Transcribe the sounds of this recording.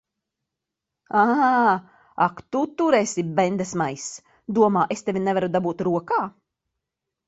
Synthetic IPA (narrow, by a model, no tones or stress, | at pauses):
a | akt̪ut̪uɾɛːsibɛnd̪asmajs | d̪uɔmaːʔest̪evʲinɛvaɾud̪abuːt̪ɾuɔkaː